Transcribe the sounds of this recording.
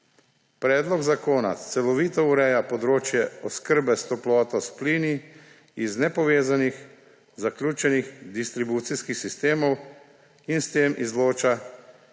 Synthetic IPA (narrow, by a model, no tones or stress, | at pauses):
pɾɛːd̪lɔɡzakoːna̰t̪sɛlɔʋiːt̪ɔuɾɛjapɔd̪ɾoːt͡ʃjɛɔskəɾbɛst̪ɔplɔːt̪ɔspliːni | iznɛpɔʋeːzanix | zaklʲjuːt͡ʃɛnixd̪ist̪ɾibuːt̪siskixsist̪eːmɔw | inst̪eːmʔizloːt͡ʃa